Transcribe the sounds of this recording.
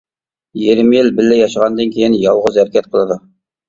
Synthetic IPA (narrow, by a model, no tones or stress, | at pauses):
jeɾmijelbɪlːæjɑʃəʁɑnd̪eŋkʲʰejɪnjɑlˠʁəzæɾkʲʰæt̪̚qʰəlˠɑd̪ɤ